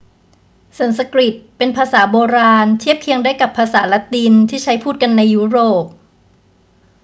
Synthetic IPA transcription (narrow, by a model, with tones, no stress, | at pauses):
sa˨˩˦nsa˧kɾi˨˩t̪̚pe˧npʰaː˧saː˩˦boː˧ɾaː˧nt̪ʰi˥˩əp̚kʰi˧əŋdaː˥˩jka˨˩pʰːaː˧saː˩˦la˦˥t̪i˧nt̪ʰiː˥˩t͡ɕʰa˦˥jpʰuː˥˩t̪̚ka˧nːa˧jːu˦˥ɾoː˨˩p̚